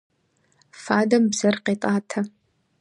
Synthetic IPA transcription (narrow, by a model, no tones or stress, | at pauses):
faːdɐmbzɐrqeːtʼaːtʰɐ